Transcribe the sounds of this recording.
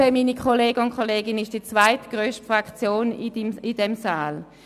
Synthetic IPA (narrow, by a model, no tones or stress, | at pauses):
emiːnikʰoleːɡəʊnkʰχoleːɡɪnɪʃd̥it͡svaɪtɡ̥ʁøːʃtfʁakt͡sjoːniidɛmsaːl